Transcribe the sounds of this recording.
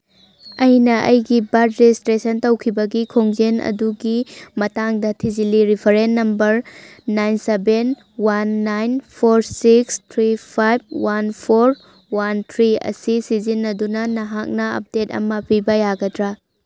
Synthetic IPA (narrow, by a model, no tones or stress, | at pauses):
ɐjnɐʔɐ̰jɡibadɾestɾesɐntɐwkʰibɐɡikʰoŋd͡ʒenɐ̰duɡimɐtaŋdɐtʰiziliɾipʰɐɾenːɐmbɐɾnajnseben | wanːajnpʰoɾsikstʰɾipʰajb̚wanpʰoɾ | want̪ʰɾiɐ̰sisizinːɐdunɐnɐɦak̚nɐɐ̰p̚detɐ̰mɐpibɐjaɡɐdɾa